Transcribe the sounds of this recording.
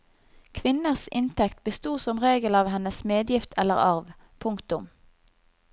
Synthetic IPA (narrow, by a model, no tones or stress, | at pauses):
kʰʋɪnəʁsɪnt̪ʰɛkt̪̚bəst̪uːsɔmʁeːɡəlɑːʋɦɛnəsmeːd̪jɪft̪ʰɛlə̰ʁɑʁʋ | pʰʊŋkt̪ʊm